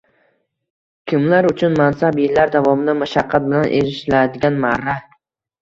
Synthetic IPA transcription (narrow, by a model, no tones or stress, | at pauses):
kʲʰɪmlaɾʊt͡ʃʰʊnmansabjɪlːaɾd̪avɒmɪd̪amaʃaqʰːɑt̪̚bɪlanʔḛɾɪʃlad̪ɪɡʲanmaɾa